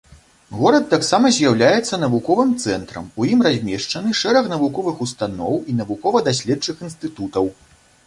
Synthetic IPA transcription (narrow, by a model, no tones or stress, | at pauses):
ɣɔɾɐt̪ːaksamɐzʲjawlʲajɛt̪sːɐnɐvukɔvɨmt̪sɛnt̪ɾɐ̰mujimrazʲmʲɛʂt͡ʂɐnɨʂɛɾɐxnɐvukɔvɨxust̪anɔwinɐvukɔvɐd̪asʲlʲɛt͡ʂɨxinst̪ɨt̪ut̪ɐw